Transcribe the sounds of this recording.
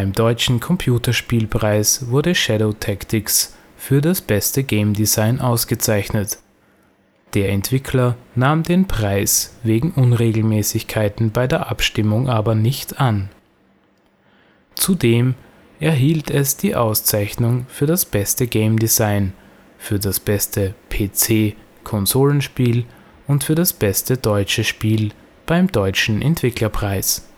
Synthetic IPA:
ɪmdɔʏt͡ʃn̩kʰɔmpʰjuːtɐʃpiːlpʁ̥aɪsvʊɐɾəʃɛɾoːtʰɛktʰɪks | fyːɐdasb̥ɛstəɡeɪmdizaɪnʔaʊsɡ̥ət͡saɪçnət | d̥eːɐʔɛntv̥ɪkʰlɐnaːmdeːnpʁ̥aɪsveːɡŋ̩ʔʊnʁeːɡl̩mɛːsɪçkʰaɪtn̩baɪdeːɐʔapʃtɪmʊŋʔaːbɐnɪçtan | t͡sudeːm | ʔɛɐɦiːltʰɛsd̥iːʔaʊst͡saɪçnʊŋfyːɐdasb̥ɛstəɡeɪmdɪzaɪn | fyːɐdasb̥ɛstʰəpʰeːt͡seː | kʰɔnzoːlənʃpiːl | ʔʊntfyːɐɾasb̥ɛstədɔʏt͡ʃəʃpiːl | b̥aɪmdɔʏt͡ʃn̩ʔɛ̰ntv̥ɪklɐpʁ̥aɪs

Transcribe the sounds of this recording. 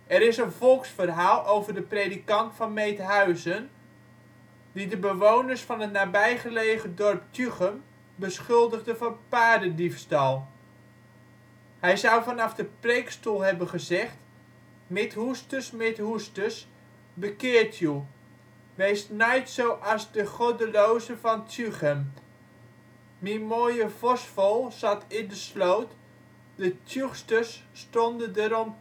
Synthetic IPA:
ɛɾɪsənvɔlˠksfərɦaːlˠowvərdəpredikɑntfɑnmejtɦœɥzən | didəbəʋownərsfɑnətnaːbɛjχəlejχədɔrptʰyχəm | bəsχʏlˠdəɣdəvɔnpaːdədifstɑlˠ | hɛjzʌwvɑnɑfdəprejkstulˠɦɛbənχəzɛχt | mɪthustəsmɪthustəs | bəkɪːɹtʰju | ʋejsnɛjtsowʔɑzdəχodəlowzəvɑntʰjyχəm | mimoːjəv̥ɔsfolˠsɑtʰɪndəslowt | dətʰjuxstəsːtondədəɾɔm

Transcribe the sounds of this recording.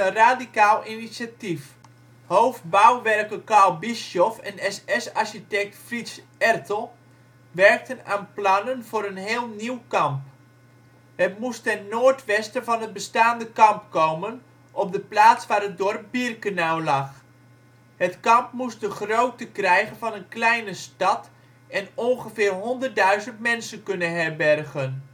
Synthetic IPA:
ənraːdikaːlˠinisatif | howfbawʋɛrkəkalˠbisɔfɛ̰nɛsɛsaɹʃitɛk̚tfris | ɛrtəlˠ | ʋɛrk̚təna̰ːnplɑnənvoːɾənɦeːlˠniwkɑmp | hətmustɛnnːoːɹtʋɛstəvɑnɦət̚bəstaːndəkɑmpkowmən | ʔɔp̚dəplaːtsʋaːɾət̚dɔrp̚birkənawlɑχ | hətkɑmpmus̚dəχrowtəkrɛjχənvɑnənklɛjnəstɑt | ɛnɔnχəfɪːrɦɔndərt̚dœɥzəntmɛnsənkɵnənɦɛɹbɛrɣən

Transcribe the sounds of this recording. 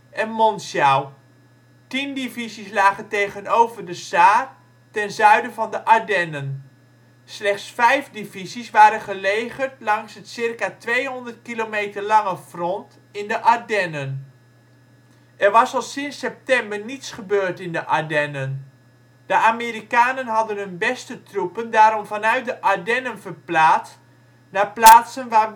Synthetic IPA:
ʔɛnmɔnsjaw | tindivizislaːχəntejχənowvəɹdəsaːr | tɛnzœɥdəvɑndəʔadɛnən | slɛχtsfɛjfdivizisʋaːɾənχəlejχərtlɑŋsɦətsɪrkaːtʋejɦɔndərtkilomejtəɹlɑŋəv̥rɔnt | ɪndəʔadɛnən | ʔɛrʋɑsɔlˠsɪnsɛp̚tɛmbərnitsχəbøːɹtɪndəʔadɛnən | d̥əʔameɾikaːnənɦɑdənɦɵnbɛstətrupəndaːɾɔmfɑnœɥt̚dəʔadɛnənvərplaːt | naːplaːtsənʋaː

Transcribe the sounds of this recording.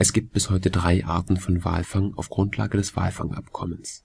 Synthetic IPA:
ʔɛsɡ̥iːpt̚b̥ɪshɔʏtədʁaɪʔaːɐtn̩fɔnva̰ːlfaŋaʊfɡ̥ʁʊntʰla̰ːɡədɛsv̥a̰ːlfa̰ŋʔa̰pkʰɔməns

